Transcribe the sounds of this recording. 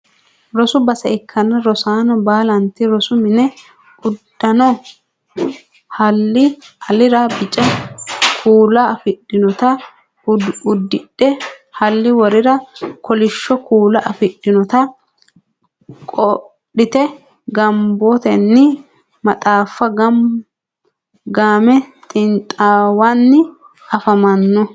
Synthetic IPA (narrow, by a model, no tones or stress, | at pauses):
ɾɔsʊbɐsɐɛkʰːɐnːɐɾɔsaːnɔbaːlɐnt̪ɪɾɔsʊmɪnɛ | ʊd̪ːɐnɔ | hɐlːɪɐlɪɾɐbɪt͡ʃʼɛkʰuːlɐːfɪɗːɪnɔt̪ɐ | ʊd̪ːɪᶑːɛhɐlːɪwɔɾɪɾɐkʰɔlɪʃːɔkuːlɐʔɐfɪɗːɪnɔt̪ɐ | kʼɔ | ɗɪt̪ɛ | ɡɐmbɔt̪ɛnːɪ | mɐt̪ʼaːfːɐɡ | ɡaːmɛt̪ʼɪnt̪ʼaːwanːɪ | ɐfɐmɐnːɔ